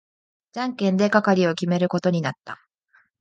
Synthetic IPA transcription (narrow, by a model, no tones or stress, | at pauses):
d͡ʑãŋkẽ̞nd̪e̞kakaɾʲio̞kʲime̞ɾɯ̟ko̞t̪o̞ɲ̟inat̪ːa